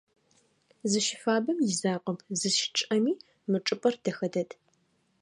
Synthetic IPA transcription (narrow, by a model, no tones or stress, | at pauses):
zɨʃɪfaːbɐmjɪzaːqʼəmzɨʃɪ̥ʈ͡ʂʼɐmiː | mɨʈ͡ʂʼɨpʼɐrd̥ɐxɐdɐtʰ